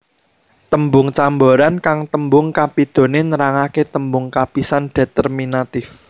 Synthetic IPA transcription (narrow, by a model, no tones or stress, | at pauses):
t̪əmbʊŋt͡ʃamboɾankaŋt̪əmbʊŋkapid̪̥o̤nenəɾaŋaket̪əmbʊŋkapisanɖ̥e̤t̪ərminat̪ɪf